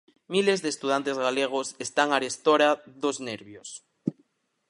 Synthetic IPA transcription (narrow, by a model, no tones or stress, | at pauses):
milezðeːst̪uð̞ant̪ezɣaleɣ̞osest̪aŋaɾest̪oɾaðozneɾβjos